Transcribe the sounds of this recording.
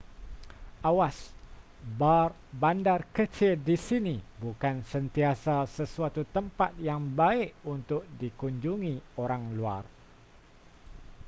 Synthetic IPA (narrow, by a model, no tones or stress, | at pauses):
ʔawas | bar | bandarkət͡ʃɪldisinibukansənt̪iasasəsuat̪ut̪əmpat̪̚jaŋbaɪʔunt̪ʊk̚dikuɲd͡ʒuŋĩoɾaŋlua̰r